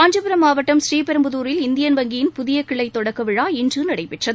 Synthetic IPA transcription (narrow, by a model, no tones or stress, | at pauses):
aːɲd͡ʒɐpɪɾɐmaːʋɐʈːɐmsriːpɛɾɯmbɯðuːɾɪlɪnd̪ɪjɐnʋɐŋɡɪjɪnpʊðɪjɐkːɪɭɐɪt̪ːɔɽɐkːɐʋɪɻaːɪndrɯnɐɽɐɪpɪʈrɐð